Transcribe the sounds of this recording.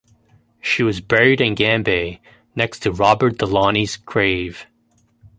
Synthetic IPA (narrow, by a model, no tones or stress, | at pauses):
ʃiwʌzbɛɹiɾɨ̃nɡæ̃mbeɪ | nɛkstʰɨɹɑbə˞t̚d̥əlɑniz̥kʰɹ̥eɪv̥